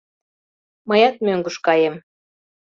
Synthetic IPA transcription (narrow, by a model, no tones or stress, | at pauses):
məjɑt̪̚møŋɡuʃkɑjem